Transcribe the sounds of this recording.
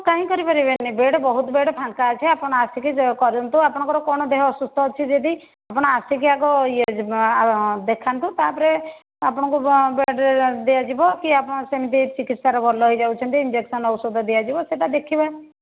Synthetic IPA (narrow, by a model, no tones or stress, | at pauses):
kaɦĩkɔɾipaɾibenːibeɽbɔɦut̪beɽɔpʰãŋkat͡ʃʰeapɔɽ̃ɔasikikɔɾunt̪uapɔɽ̃ɔ̃ŋkɔɾɔkɔɽ̃ɔd̪eɦɔːsust̪ʰɔɔt͡ʃʰid͡ʒed̪i | apɔɽ̃ɔasikiaɡɔie | d̪ekʰant̪ut̪apɔɾe | apɔɽ̃ɔ̃kubeɖd̪ejad͡ʒibɔkiapɔɽ̃ɔsemit̪it͡ʃikit̪saɾɔbʱɔlɔɦojd͡ʒawt͡ʃʰɔnt̪iind͡ʒeksɔnɔwsɔd̪ʱɔd̪ejad͡ʒibɔseʈad̪ekʰiba